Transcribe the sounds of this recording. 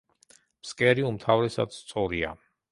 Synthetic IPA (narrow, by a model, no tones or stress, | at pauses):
pskʼɛɾiumt̪ʰavɾɛsa̰d̪st̪sʼɔɾia̰